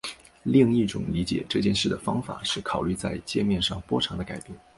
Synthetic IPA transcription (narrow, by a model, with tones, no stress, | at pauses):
li˥˧ŋi˥˩ʈ͡ʂʊ̰˨˩˦ŋli˧˥t͡ɕjɛ̰˨˩ʈ͡ʂɤ˥˧t͡ɕjɛ˥˧nʂɻ̩˥˩d̪ə˩fɑ˥ŋfa̰˨˩ʂɻ̩˥˩kʰɑ˨˩ʊly˥˧t͡sa˥˧ɪt͡ɕjɛ˥˧mjɛ˥˧nʂɑ˥˩ŋpwɔ˥ʈ͡ʂʰɑ˧˥ŋd̪ə˧ka˨˩ɪpjɛ˥˩n